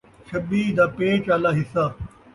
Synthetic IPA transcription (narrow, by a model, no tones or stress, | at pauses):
ʃɐbiːd̪aːpeːt͡ʃaːlaːɦɪsaː